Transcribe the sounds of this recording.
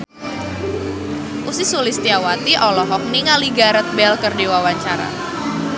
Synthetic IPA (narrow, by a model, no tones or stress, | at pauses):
ʔusɪsulist̪iawat̪iʔɔlɔɦɔk̚niŋaliɡaɾət̪̚bɛlkərdewawaɲt͡ʃaɾa̰